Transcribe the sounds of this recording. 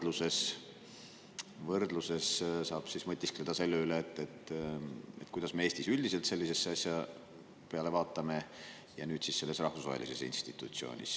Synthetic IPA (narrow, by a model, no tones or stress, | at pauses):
luse̞s | vɤrd̪luse̞ssɑːb̥sismɤt̪ʲːˑiskled̪ɑse̞lːeyleːt̪ːet̪ː | et̪̚ːkujd̪̥ɑsme̞eːst̪isylʲd̪ise̞lt̪se̞lʲːise̞sːeɑsʲjɑ | peɑle̞vɑːt̪ːˑɑme̞ | jɑnyːd̪̥sisːe̞lːesrɑhfusvɑ̰ɦḛlise̞sḭnst̪it̪ːˑut̪sio̞̰ːnʲḭs